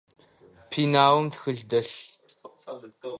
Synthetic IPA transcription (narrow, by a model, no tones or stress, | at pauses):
pʰiːnaːwəmtxɨɮdɐɬ